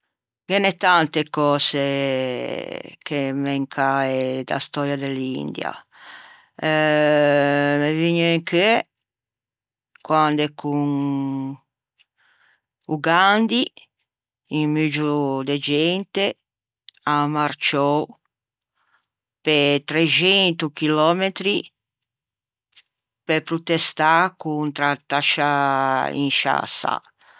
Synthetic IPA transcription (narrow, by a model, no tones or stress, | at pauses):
ɡɛnɛt̪ant̪ekɔse | kemɛŋkʰaed̪a̰st̪ɔɾjad̪elḭnd̪ja̰ | meviɲoiŋkɛ | kwand̪ekʰuŋ | uɡand̪i | iŋmyd͡ʒud̪ed͡ʒɛnt̪e | amaɾt͡ʃɔ | pet̪ɾet͡ʃɛnt̪ukilɔmet̪ɾi | pepɾut̪est̪akunt̪ɾat̪aʃaḭŋʃa̰sa̰